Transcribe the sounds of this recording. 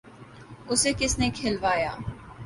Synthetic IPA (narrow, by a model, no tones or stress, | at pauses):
ʊseːkɪsnekʰeːlʋaːja̰ː